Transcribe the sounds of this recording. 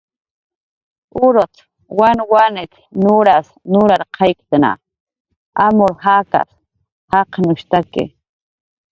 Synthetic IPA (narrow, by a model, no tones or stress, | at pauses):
ʊɾot̪ | wanwanet̪ | nuɾas | nʊɾaɾqʰɑjkt̪ana̰ | amʊɾhaka̰s | haqnʊʃt̪akɪ̰